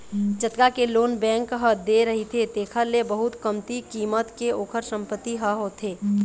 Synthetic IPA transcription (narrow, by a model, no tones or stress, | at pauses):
d͡ʒət̪kakeloːnbɛ̃ːŋkɦəd̪eɾəɦit̪ʰet̪eːkʰəɾlebəɦʊt̪kəmt̪ikiːmət̪keoːkʰəɾsə̃mpət̪ːiɦəɦot̪ʰeː